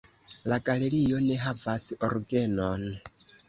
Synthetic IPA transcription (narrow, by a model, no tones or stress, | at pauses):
laɡale̞ɾio̞ne̞ɦavasoɾɡe̞non